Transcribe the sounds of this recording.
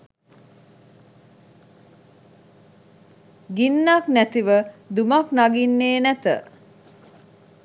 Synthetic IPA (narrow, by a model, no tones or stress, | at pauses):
ɡinːaknæt̪iʋəd̪umaknaɡinːeːnæt̪ə̰